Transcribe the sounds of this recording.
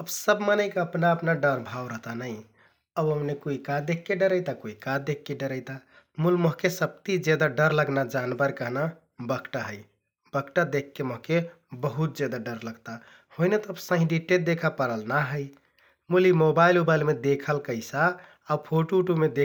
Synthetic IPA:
əbsəbmənəɪkeəpnaəpnaɖəɾbʱawɾəɦt̪anəɪ | əbəmnekoikad̪ekʰkeɖəɾəjt̪akoikad̪ekʰːeɖəɾəjt̪a | mulmoɦkesəp̚t̪id͡ʒed̪aɖəɾləɡnad͡ʒanbəɾkəɦna | bəɡʈaɦəɪ | bəɡʈad̪ekʰːemoɦke | bəɦut̪̚d͡ʒed̪aɖəɾləɡt̪a | hoinet̪ɔəbsə̃ɦĩɖiʈeʈ̚d̪ekʰapəɾəlnaɦəj | mulimobailobaɪlmed̪ekʰəlkəɪsaː | pʰoʈoʈomed̪e

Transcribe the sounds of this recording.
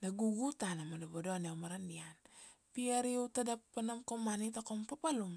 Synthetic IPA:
naɡuɡutanamadobodoanewmaɾandian | piaɾiutadappːanamkomanitakoŋpapalum

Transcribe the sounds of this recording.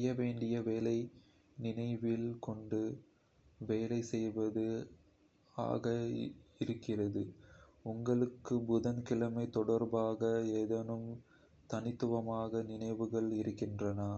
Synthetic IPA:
jɐʋeːɳɖɪjɐʋeːlɐɪ | nɪnɐɪʋɪlkɔɳɖɯ | ʋeːlɐɪsɛjʋɐðɯ | a̰ːɣɐɪɾɯkːɪrɐðɯ | ʊŋɡɐɭɯkːɯbʊðɐnkɪlɐmɐɪt̪ɔɽɐɾbaːɣɐeːðɐnɯm | t̪ɐnɪt̪ːɯʋɐmaːɣɐnɪnɐɪʋɯɣɐɭɪɾɯkːɪndrɐnɐ

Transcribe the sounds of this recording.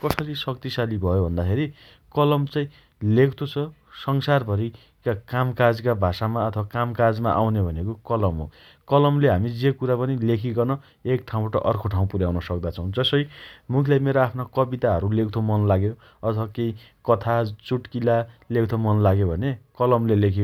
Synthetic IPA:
kʌsʌɾisʌkt̪isalibʱʌjobʱʌnd̪akʰeɾi | kʌlʌmt͡saĩ | lekt̪ʰot͡sʰʌ | sʌŋsarbʱʌɾi | kakamkad͡zkabʱasamaʌt̪ʰʌbakamkad͡zma̰ʔa̰wnebʱʌnekokʌlʌmɦo̰ | kʌlʌmleɦamid͡zekuɾapʌnilekʰiɡʌrnʌ | ek̚ʈʰaw̃baʈʌʔʌrkʰoʈʰaw̃puɾjawnʌsʌk̚d̪at͡sʰʌw̃d͡zʌsʌjmukʰilajmeɾoapʰnakʌbit̪aɦʌɾulekʰt̪ʰomʌnlaɡjo | ʌt̪ʰʌwakei | kʌt̪ʰat͡suʈkilalek̚t̪ʰomʌnlaɡjobʱʌnekʌlʌmlelekʰi

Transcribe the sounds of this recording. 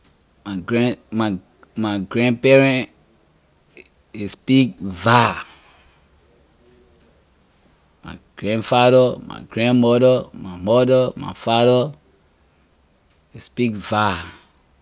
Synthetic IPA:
maɡɹɛma | maɡɹɛ̃npɛɹɛ̃n | ispik̚va | ma̰ɡ̥ɹɛ̃nfaɾəma̰ɡɹɛ̃nmɔdəmamɔdəma̰faɾə | ispikva

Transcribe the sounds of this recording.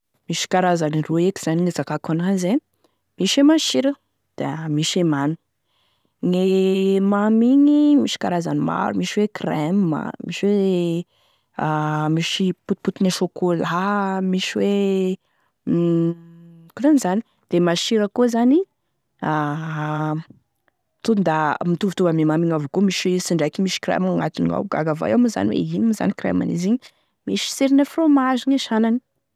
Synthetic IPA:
miʃi̥kaɾazanirueki̥z̥aninezakakanaze | miʃemaʃiɾə | d̪̥eamiʃemanu̥ | ŋemamiŋimiʃi̥kaɾazanima̰ɾumiʃiwekrɛmːa̰miʃiwe | amiʃiput̪̚put̪ineʃokolamiʃiwe | kunenizani̥ | d̪̥emaʃiɾəkuzani | a | t̪und̪amit̪uvut̪uvamimamiŋavukumiʃsiɳɖ͡ʐakimiʃi̥kɾɛ̰maŋat̪inia̰ɡa̰ɡava̰jamuza̰niwḛinimiza̰nikɾɛ̰ma̰nḭziɲi | miʃi̥siɾinəfromaʒiɲaʃanani̥

